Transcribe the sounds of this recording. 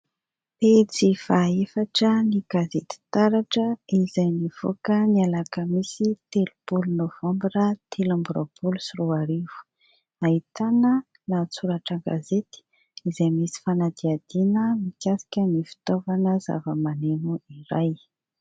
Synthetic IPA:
pet͡sifaefaʈ͡ʂəniɡ̥azet̪i̥t̪aɾaʈ͡ʂəizajniv̥o̰kənialakəmisit̪elub̥ulunov̥ãmbɾat̪ʰelambuɾob̥ulusiruaɾivu̥ | ait̪anə | lat͡suɾaʈ͡ʂəɡa̰zet̪i̥ | izajmisi̥fanad̪iad̪̥inəmikʲasi̥kʲənifi̥t̪ovanəza̰vəmanenuiɾaj

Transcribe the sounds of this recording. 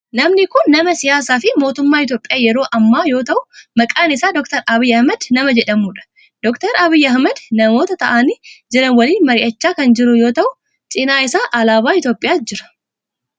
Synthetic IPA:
nɐmnɪkʊnːɐmɐsɪjaːsaːfɪmo̞ːt̪ʊmːaːɪt̪̬jo̞ːpʼɪjaːjɛɾo̞ːʔɐmːaːjo̞ːt̪ɐʔʊmɐkʼaːnɪsaːd̪ɔk̚t̪ɐɾɐbɪjːɐhmɐd̪nɐmɐd͡ʒɛᶑɐmuːᶑɐ̥ | d̪ɔkt̪ɐɾɐbɪjːɐɐɦmɐd̪nɐmo̞ːt̪ɐt̪ɐʔanid͡ʒɛɾɐnwɐliːnmɐɾɪʔɐt͡ʃːaːkɐnd͡ʒɪɾʊjo̞ːt̪ɐʔʊ | t͡ʃʼɪnaːɪsaːʔɐlaːβaːɪt̪jo̞ːpʼɪjaːd͡ʒɪɾɐ̥

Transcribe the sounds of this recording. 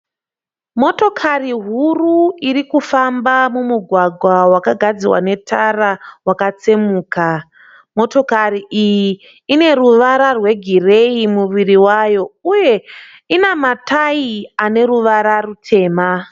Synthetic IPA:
mo̞to̞kʰariɦuruirikufambamumuɡʱwaɡʱwawakaɡʱad͡ziwa̰ne̞tʰarawakat͡semuːka | mo̞to̞kariʔijiː | ne̞ruʋaɾarwe̞ɡʱire̞imuʋiriwajo̞uje̞ | inamatʰaiane̞ɾuʋaɾarutʰe̞ːma

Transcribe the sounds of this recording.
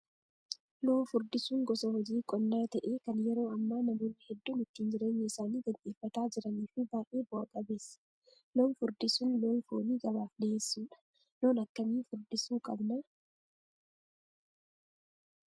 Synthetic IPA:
lo̞ːnfʊɾd̪ɪsuːŋɡɔsɐhɔd͡ʒiːkʼɔnːaːt̪ɐʔeːkɐnjɛɾo̞ːɐmːaːnɐmoːnɐhɛd̪ːuːnɪt̪ːiːnd͡ʒɪɾeːɲːɪɪsaːniːɡ̪ɐnʔʼiːfːɐt̪aːd͡ʒɪɾɐniːfɪbaːʔeːbʊɐkʼɐbeːsːɐ̥ | lo̞ːnfʊɾd̪ɪsʊnlo̞ːnfoːniːɡɐβaːfdɐeːsːuːᶑɐ̥ | lo̞ːnɐkːɐmiːfʊɾd̪ɪsuːkʼɐ̰bnɐ

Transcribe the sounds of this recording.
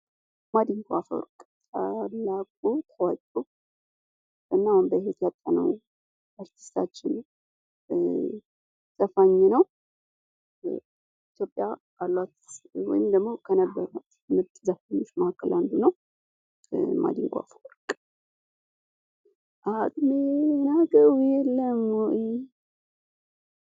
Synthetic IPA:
mad̪iŋɡafo̰ɾkʼt̪ʰalːakʼut̪ʰəwat͡ʃʼu | ʔɨnːawunbəhet̪jat̪ʼːanəw | ʔaɾt̪ʰi̥st̪ʰa̰t͡ʃːɪn | z̥afaɲːɛnəw | it̪jo̞pʼːjabalːwat̪wɔ̰jɪmd̪əɡmo̞kʰənəbːəɾat̪mɨbt̪ʼzafaɲːot͡ʃːmahkʰːəlʔand̪unəw | ma̰d̪iŋɡʷʼa̰fʼəlkʼ | ʔat̪ʼmenaɡəjɛlːəmoʔi

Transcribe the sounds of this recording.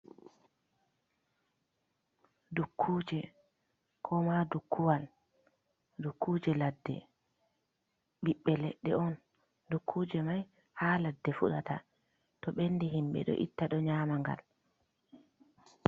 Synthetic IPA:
dukʰːuːd͡ʒɛ | kʰɔmadukʰːuwal | dukʰːuːd͡ʒɛladːɛ̰ | ɓiɓːɛleɗːɛ̰ɔn | dukʰːuːd͡ʒɛmaj | haːladːɛfuɗata̰ | tɔɓenːdiɦimɓɛ̰ɗɔ̰ʔḭtːaɗɔɲaːmaŋɡa̰l

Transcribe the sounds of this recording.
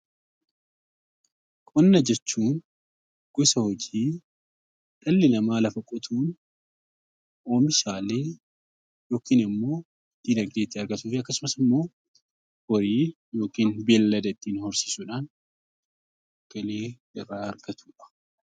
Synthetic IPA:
kʼɔnːɐd͡ʒɛt͡ʃːuːn | ɡ̥ʊsɐhɔd͡ʒiː | ᶑɐlːɪnɐmaːlɐfɐkʼɔt̪ʰuːn | ʔoːmɪʃaːle̞ː | jo̞ːkiːnɪmːo̞ː | d̪̥iːnɐɡd̪eːt̪ːiɐɾɡɐt̪uːfɪɐkːɐsʊmɐsɪmːo̞ː | wɔɾiː | jo̞ːkiːnbeːlːɐd̪ɐt̪ːiːnhɔɾsi̥ːsuᶑaːn | ɐɡ̥ɐle̞ː | ɪrːaːɐɾɡ̥ɐt̪ʰu̥ːᶑɐ̥

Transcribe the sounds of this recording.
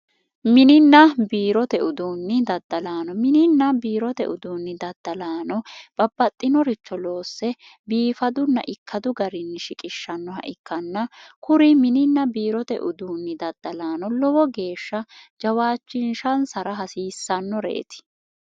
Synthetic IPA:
mɪnɪnːɐbiːɾɔt̪ɛʔʊd̪uːnːɪd̪ɐd̪ːɐlaːnɔmɪnɪnːɐbiːɾɔt̪ɛ̰ʔʊd̪uːnːɪd̪ɐd̪ːɐlaːnɔb̥ɐbːɐt̪ʼːɪnɔɾɪt͡ʃːɔlo̞ːsːɛ | biːfɐd̪ʊnːɐ̰ʔɪkːɐd̪ʊɡɐɾɪnːɪʃɪkʼɪʃːɐnːɔhɐ̰ʔɪkːɐnːɐkʊɾɪmɪnɪnːɐbiːɾɔt̪ɛ̰ʔʊd̪uːnːɪd̪ɐd̪̥ːɐlaːnɔlɔwɔɡe̞ːʃːɐd͡ʒɐwaːt͡ʃːɪnʃɐnsɐɾɐɦɐsiːsːɐnːɔɾḛːt̪ɪ̥

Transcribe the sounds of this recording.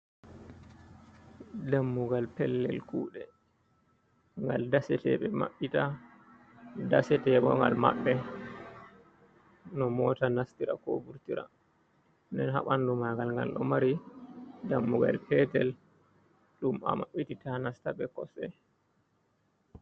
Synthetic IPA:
damːuɡalpɛlːɛ̰lkuːɗɛ | ŋɡaldasɛtɛɓɛma̰ɓːita | dasɛtɛɓɔŋɡa̰lma̰ɓːɛ | nɔmɔtanastiɾa̰kobuɾtiɾa̰ | ndɛnhaɓandumaɡalŋɡa̰lɗɔmaɾi | damːuɡa̰lpɛtɛl | ɗuma̰maɓititanastaɓɛkɔsɛ

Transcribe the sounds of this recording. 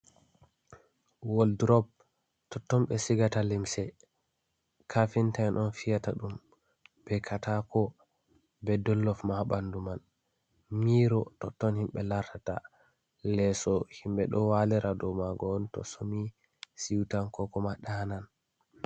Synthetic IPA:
wɔldɾɔb̚ | tɔtːɔmɓɛsiɡatalimsɛ | kʰafintaɛnʔɔnfijataɗum | b̥ɛkʰatʰakʰɔ | bɛdɔlːɔfmaɓanduman | miːɾɔtɔtːɔnhimɓɛlaɾtata̰ | lɛsɔhimɓɛɗɔwalɛɾadɔmaɡɔntɔ̰somi | siwtankɔkɔmaɗanan

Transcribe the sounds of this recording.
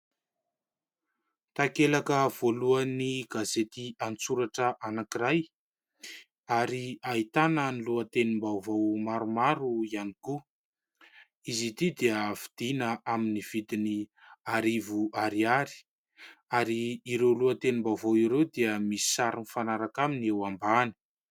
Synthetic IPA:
t̪akelakəv̥oluəniɡazet̪iant͡suɾaʈ͡ʂəʔanakiɾaj | aɾiait̪anəniluət̪enimbavawmaɾumaɾuianiku | izit̪id̪iəfid̪̥inəʔaminiv̥it̪ini | aɾivuʔaɾiaɾi̥ | aɾiːɾewluət̪enimbavowiɾewd̪iəmisi̥saɾinifanaɾakaminewambani̥

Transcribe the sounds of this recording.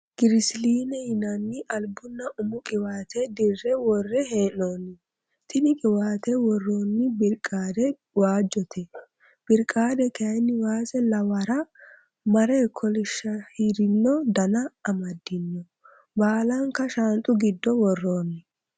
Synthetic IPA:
ɡ̥ɪɾɪsliːnɛhɪnɐnːɪʔɐlbʊnːɐʔʊmʊkʼɪwaːt̪ɛd̪ɪrːɛwɔrːɛɦeːnoːnːɪ | t̪ɪnɪkʼɪwaːt̪ɛwɔrːoːnːɪbɪɾkʼːaːd̪ɛ | waːd͡ʒːɔt̪ʰɛ | b̥ɪɾkʼaːd̪ɛkɛɐjnːɪwaːsɛlɐwɐɾɐ | mɐɾɛkʰɔlɪʃːɐhiɾɪnːɔd̪ɐnɐːmɐd̪ːɪnːɔ | baːlɐŋkɐʃant̪ʼʊɡɪd̪ːɔwɔrːoːnːɪ

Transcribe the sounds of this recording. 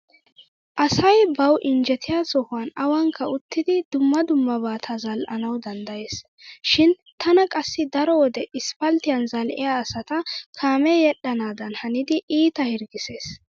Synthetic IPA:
ʔɐsɐjbɐwʔɪnd͡ʒɛt̪ʰɪjasɔhʊɐnɐwɐŋkʰːɐʊt̪ːɪd̪ɪd̪ʊmːɐd̪ʊmːɐbaːt̪ʰɐzɐlʔɐnɐwd̪ɐnd̪ɐjeːs | ʃɪn | t̪ʰɐnɐkʼɐsːɪd̪ɐɾɔwɔd̪ɛʔɪspɐlt̪ɪjɐnzɐlʔɪ̰jaːsɐt̪ɐkʰaːmɛjɛɗːɐnaːd̪ɐnhɐnɪd̪ɪʔiːt̪ɐhɪɾɡɪse̞ːs

